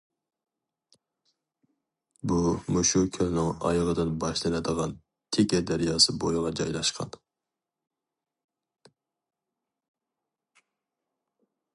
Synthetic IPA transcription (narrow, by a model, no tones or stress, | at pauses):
bumuʃukʲʰølnɨŋɑ̰jɑʁəd̪ɨnbɑʃlɪnɛd̪əʁɑn | t̪ʰekʲɛd̪æɾjɑːsɨbojʁˠɑd͡ʒɑjlˠɑʃqʰɑ̰n